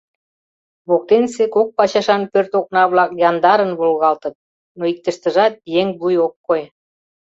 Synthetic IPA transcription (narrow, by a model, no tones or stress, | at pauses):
βok̚t̪ensekok̚pɑt͡ɕɑʃɑnpørt̪ok̚nɑβlɑk̚jɑnd̪ɑɾənβulˠɣɑlt̪ə̆t̪̚ | noik̚t̪ə̆ʃt̪ə̆ʒɑt̪̚jeŋbujokːoj